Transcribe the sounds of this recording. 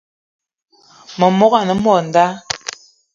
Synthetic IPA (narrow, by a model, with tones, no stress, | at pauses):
mə˨mɔ˦ɣa˨nə˨mɔ˨n̩˨da˦